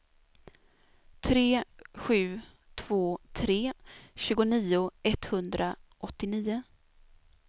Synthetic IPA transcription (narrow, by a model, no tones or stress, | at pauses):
t̪ʰɾeːɧʉ̟ː | t̪ʰv̥oːt̪ʰɾeːɕʉ̟ːɡʊniːʊɛt̪hɵnd̪ɾaʔɔt̪ːɪniːʊ